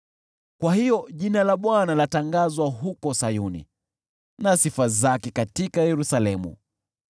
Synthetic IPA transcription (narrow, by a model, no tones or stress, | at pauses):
kwahijɔʄinalaɓwanalataŋɡazwaɦukɔsajunḭ | nasifazakɛkatikajɛɾusalɛmṵ